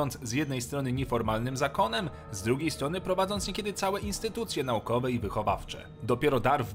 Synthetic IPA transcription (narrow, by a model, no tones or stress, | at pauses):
ɔnt̪szʲjɛd̪nɛjst̪ɾɔn̪ɘɲɛfɔɾmalnɘmzakɔnɛm | zd̪ɾuɡʲejst̪ɾɔnɘpɾɔvad̪zɔnt̪ɲʲekʲɛd̪ɘt̪sawɛʔinst̪ɘt̪ut̪sʲjɛnaukɔvɛivɘxɔva̰ft͡ʂɛ̰ | d̪ɔpʲjɛɾɔd̪aɾv